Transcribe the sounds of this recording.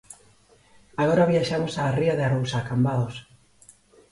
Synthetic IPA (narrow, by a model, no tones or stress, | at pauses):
aɣ̞oɾaβiaʃamosaːriaðearowsaːkambaðos